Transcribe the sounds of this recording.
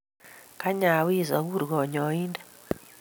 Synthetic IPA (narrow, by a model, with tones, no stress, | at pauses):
ka˦ɲa˨wi˦˨za˨ɣu˦˨ɾɡɔ˨ɲɔ˨i˦ndḁ˦